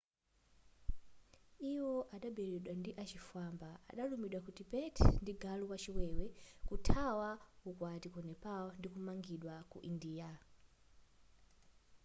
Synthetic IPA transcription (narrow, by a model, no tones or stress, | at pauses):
iwɔʔaɗaɓɛɾɛɗwandiʔat͡ʃifambaa̰ɗalumiɗwakutipɛtʰndiɡaluwat͡ʃiwɛwɛkutʰawaukwatikɔnɛpaɔndikumaŋɡiɗwakṵʔindiːa